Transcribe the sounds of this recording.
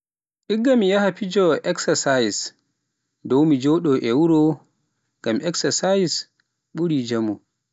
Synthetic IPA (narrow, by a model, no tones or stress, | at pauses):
ʔiɡːamijahapid͡ʒɔʔɛksasajs | dɔwmid͡ʒɔɗɔʔɛwuɾɔ | ɡ̥amʔɛksasajis | ɓuɾid͡ʒamu